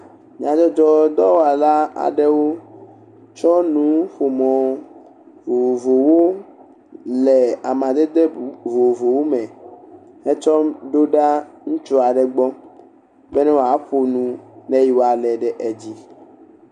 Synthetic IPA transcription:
mĩ˨ã˨d͡ʒɔ˦d͡ʒɔ˦d̪ɔ˦wo˦a˨la˦a̰˨ɖɛ˦wo˦ | t͡ʃɔ˦nũ˦ɸo˨mɔ̃˨ | vo˨vo˨wo˦ | lɛ˨a˨mã˨d̪e˦d̪e˦vo˨vo˨wo˦mɛ̃˨ | hɛ˦t͡ʃɔ˦mɖo˦ɖa˦ŋũ˦t͡ʃo˦a˨ɖɛ˨ɡ͡bɔ˦ | bɛ˦nɛ̃˦wo˨a˨˦ɸo˨nũ˨nɛ̃˦ji˨wo˨a˨lɛ˨ɖɛ˨ʔɛ˨d͡ʑi˦

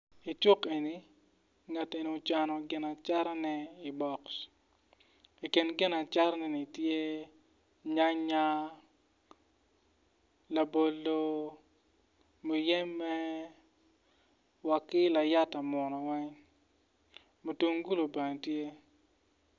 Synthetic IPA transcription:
i˨t͡ʃu˦ke˨ni˨ | ŋa˨te˨ni˨o˨t͡ʃa˨nɔ˨ɡɪ˨na˨t͡ʃa˦ɾɛ˦nɛ˦i˨bɔ˨ks | i˨kɪ˨nɡɪ˦na˨t͡ʃa˦ɾnɛ˨ni˨tje˦ | ɲa˦ɲa˦ | la˨bo˨lːo˨ | mo˨jɛ˦mːɛ˦ | wa˨kːɪ˦la˨ja˦ta˨mɔ˨nɔ˨wɛ˦ŋ | mo˨tu˦ŋɡu˦lo˨be˨ŋ˨tje˦

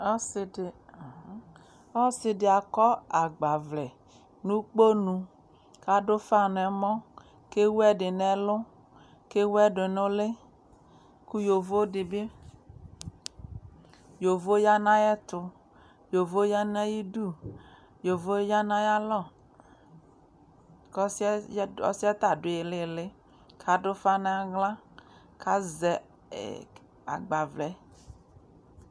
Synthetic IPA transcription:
ɔ˦sɪ˨dɪ˨˦ | ɔ˦sɪ˦dɪ˨a˨kɔ˦a˨ɡ͡ba˨vlɛ˨ | nũ˦k͡po˦nũ˨ | ka˦do˦fa˦nɛ˨˦mɔ̃˦ | ke˦wu˦ɛ˦ɖɪ˨nɛ˨lʊ˦ | ke˦wɛ˦ɖʊ˨nʊ̃˦le˦ | ku˦jo˨vo˦dɪ˨bɪ˦ | jo˨vo˦ja˦nã˦jɛ˦t̪ʊ˨ | jo˨vo˦ja˦na˦ji˦du˦˨ | jo˨vo˦ja˦nã˦ja˦lɔ˦˨ | ksɔ̰˦si˦a˦t̪a˨ɖʊ˨e˨le˦˨le˦ | kʰa˨ɖʊ˦fa˦nã˦a˨ɡlã˦ | kʰa˦zɛ˨ | ɛ̰˨ | a̰˨ɡ͡ba˨vlɛ˨˦

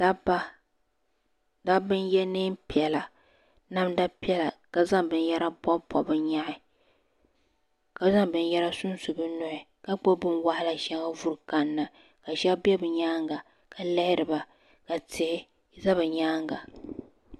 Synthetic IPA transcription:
da˦ba˦ | da˦bɨ˦njɛ˦nɨː˦mpi˨ɛ˨la˨ | na˦mda˦pi˦ɛ˦la˨ka˨za˦ŋbɨ˨n˦jɛ˦ɾa˦bɔ˦pɔ˨bɨ˨ɲa˦ʔɪ˨ | ka˨za˦ŋbɨ˨n˦jɛ˦ɾa˦sʊ˦n˦su˨bɨ˦nʊ˨hɪ˨ | ka˦k͡po˦bɨ˦nwa˨hɪ˦la˨ʃɛ˦ŋa˦vu˨ɾka˨nːa˨ | ka˨ʃɛ˦bbɛ˦bɨ˨ɲaː˦ŋɡa˨ | ka˨lɛ˦hɪ˦ɾɨ˨ba˨ | ka˨tɪ˨ʔɪ˦ | za˦βɨ˨ɲaː˦ŋɡa˨

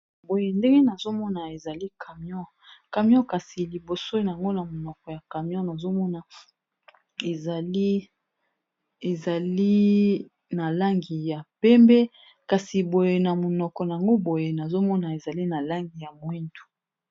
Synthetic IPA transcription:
bo˨je˨nde˦ŋɡe˦na˨zo˦mɔ˦na˨e˨za˨li˦kʰa˨mjɔ˦ | ka˨mjɔ̃˦ka˨si˨li˨bo˨so˦na˨a˨ŋɡo˦na˨mo˨nɔ˨kɔ˨ja˨ka˨mjɔ̃˦na˨zo˦mɔ˦na˨ | e˨za˨li˦ | e˨za˨li˦ | na˨la˦ŋɡi˨ja˨pɛ˦mbɛ˦ | ka˨si˨bo˨je˨na˨mo˨nɔ˨kɔ˨na˨ja˨ŋɡo˦bo˨je˨na˨zo˦mɔ˦na˨e˨za˨li˦na˨la˦ŋɡi˨ja˨mwi˦ntu̥˨

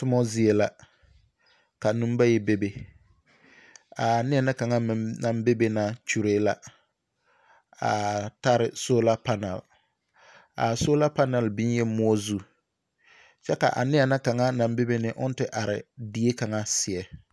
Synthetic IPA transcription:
tʊ˦mɔ˦zɪ˦e˨la˦ | ka˨nũ˦m˦ba˦jɛ˦be˦be˨ | a˨nɪ˦ɛ˨na˦ka˨ŋa˦m˨na˨mbe˦be˦na˦t͡ʃu˨ɾeː˦la˦ | a̰˨ta˦ɾɪ˨so˦la˦pa˦na̰˨l | a̰˨so˦la˦pa˦na˨lbɪ˦n˦jɛ˦mʊ˦ɔ˦zu˦ | t͡ʃɛ˦ka̰˨ʔa̰˨nɪ˦ɛ˨na˦ka˨ŋa˦na˨mbe˦be˦nɪ˦ʔʊ˦n˦tɪ˦ʔa˨ɾɪ̰˨di˦e˦ka˨ŋa˦sɪ˨ɛ˨

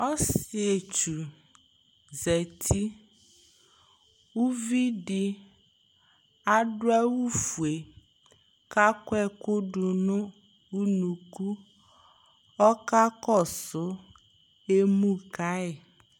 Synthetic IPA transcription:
ɔ˦sɪ˨e˨t͡ʃu˨ | zɛ˨tʰi˦ | u˦vi˦dɪ˨ | a˦dʊ˦ɛ˦wu˦fu˨e˨ | ka˦kwɛ˦˨kʊ˦dʊ˨nʊ̃˦ | u˦nu˨ku˦ | ɔ˦ka˦kɔ˦˨sʊ˨˦ | e˦mu˦ka˦ɪ˨

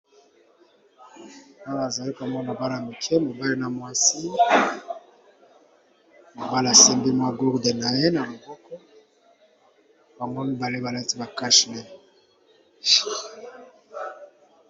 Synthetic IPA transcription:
a˦wa˨za˨li˦ka˨mɔ˦mo˨ba˦la˨mi˨kʰɛ˦mo˨ba˦le˦na˨mwa˦si˦ | mo˨ba˦la˨sɛ˦mbi˦mwa˦ɡu˦ʁde˨na˨je˦na˨li˨bɔ˦kɔ˦ | ba˨ŋɡo˦mi˦ba˨le˦ba˨la˦ti˦ba˨ka˦ʃi˨nɛ˦

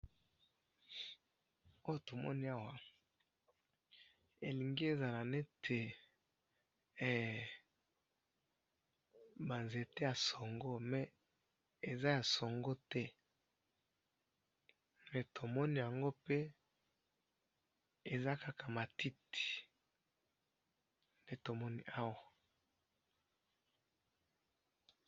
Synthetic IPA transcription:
o˦jo˦to˨mɔ̰˦ni˦a˦wa˨ | e˨li˨ŋɡi˦e˨za˨la˨ne˦tʰe˨ | ba˨nze˨te˦ja˨so˨ŋɡo˦mɛ˨ | e˨za˦ja˨so˨ŋɡo˦tɛ˦ | mɛ˨tʰo˨mɔ˦ni˦˨ja˨ŋɡo˦pe˦ | e˨za˦ka˦ka˨ma˨ti˦ti̥˨ | nde˦to˨mɔ˦ni˦a˦wa˨

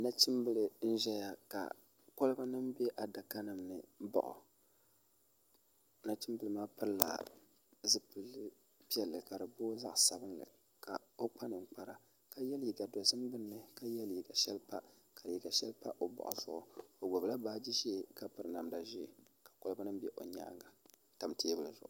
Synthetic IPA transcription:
na˦t͡ʃɪ˦mbɨ˦lɨ˨n̩˦ʒɛ˦ja˨ka̰˨ | ko˦lɨ˦ba˦nɨ˦mbe˦ʔa˨da˨ka˦nɨ˨mnɨ˨bɔ̰˨ʔʊ̰˨˦ | na˦t͡ʃɪ˦m˦bɨ˨lɨ˨˦maː˦pɨ˦ɾla̰˨ | zɨ˦pɨ˨lːɨ˦ | pi˦ɛ˨lːɨ˨ka˨dɨ˨boː˦za˦ʔsa˨bɨ˦nlɨ̰˨ | kʰa̰˨o˦k͡pa˦nɨ˨ŋ͡m̩˦k͡pa˨ɾa˨ | ka˦jɛ˦lji˨ɡa˨do˨zɨ˦mbɨ˦nːɨ˨ka˦jɛ˦lji˨ɡa˨ʃɛ˦lpa˦ | ka˨i˨ɡa˨ʃɛ˦lpa̰˦ʔo˨bɔ̰˨ʔʊ̰˨zʊ˦ʔʊ̰˨o˨ɡɔ˨bla˦baː˦d͡ʒi˦ʒe˦˨ka˦pɨ˨ɾɨ˨na˨mda˨ʒi˦˨ | kḁ˨ko˦lɨ˦ba˦nɨ˦mbɛ˦ʔo˨ɲa̰˦ŋɡa˨ | ta˨mte˦bɨ˨lɨ˨zʊ˨ʔʊ̰˨

